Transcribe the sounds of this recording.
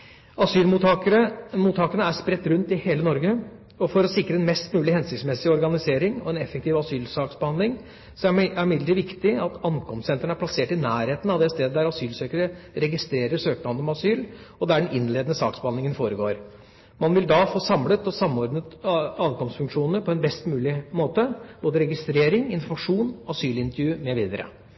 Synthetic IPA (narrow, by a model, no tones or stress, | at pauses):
ɑsyːlmuːt̪ɑəəmuːt̪ʰːɑːkənəæʂpɾɛt̪ːɾʉnt̪ɪheːlənɔɾɡə | ɔfɔɾɔsɪkɾəɛnmɛst̪mʉːlɪhɛnsɪksmɛsɪɔɾɡɑnɪseːɾɪŋɔ̰ɛnɛfːəkt̪ʰiːʋɑsyːlsɑːksbəhɑnd̪lɪŋ | sɔææɾmɪd̪ləɾəʋɪkt̪ɪɑt̪ɑnkʰɔmssɛnt̪əɳəæplɑseːʈɪnæːɾheːt̪ən̩ɑʋd̪ɛst̪eːd̪əd̪æɾɑsyːlsøːkəɾəɾɛɡɪst̪ɾeːɾəʂøːknɑnɔmɑsyːlɔd̪æɖɛnʔɪnleːd̪ənəsɑ̰ːksbəhɑnd̪lɪŋənfoːɾəɡo̰ːɾ | mɑnʋɪld̪ɑfoːsɑmlət̪ɔsɑmːɔɾɖnət̪ɑːʋkʰɔmst̪fʉŋkʂuːnnəpʰɔɛnbɛst̪mʉːlɪmoːt̪əb̥oːd̪əɾɛɡɪst̪ɾeːɾɪŋɪnfʊmɑʂuːnɔɑsyːlɪnt̪əɾjʉːmɛʋiːd̪əɾə̰